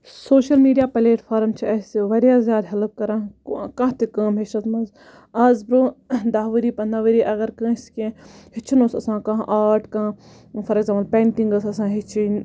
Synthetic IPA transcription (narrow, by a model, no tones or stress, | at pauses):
soːʃɐlmiːɖijaːpɐleːʈfʰaːɾmt͡ʃʰiɐsiʋɐɾijaːzjaːd̪ɦɐlɐb̚kɐɾãkɐ̃ɦt̪ikɐːmɦeʃɐt̪mɐz | ɐzbɾõːd̪aːɦʋɨɾiːpɐnaʋəɾiːʔɐɡɐɾkə̃ːiskẽhit͡ʃʰinosɐsãːkãɦʔaːʈkã | fɐɾɐɡzãːmɐlpeːɳʈĩŋɡɐsɐsãːɦit͡ʃʰi